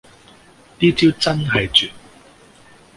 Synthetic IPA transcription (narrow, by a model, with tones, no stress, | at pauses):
t̪iː˥t͡siː˥wt͡sɐ˥nɦɐ˨jt͡ʃyː˨t̚